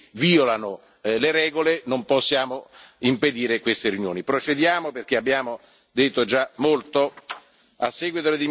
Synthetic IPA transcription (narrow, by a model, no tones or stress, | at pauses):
viːolano | leɾɛːɡolenomposːjaːmoimped̪iːɾekwest̪erjunjo̰ːnipɾot͡ʃed̪jaːmoperk̟eabːjaːmo | d̪et̪ːod͡ʒamolt̪o | asːɛːɡwit̪oled̪im